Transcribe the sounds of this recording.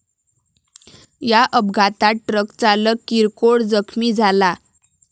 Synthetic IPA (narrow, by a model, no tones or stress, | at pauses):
jaʔəbɡʱat̪aʈɾəkt͡saləkːiɾkoɽd͡zəkʰmiːd͡zʱala